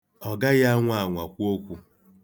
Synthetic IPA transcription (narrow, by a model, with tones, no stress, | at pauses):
ɔ˨ɡa˦ɣa˦ŋʷa˦˨ŋʷa˨kʷu˦o˦kʷu˦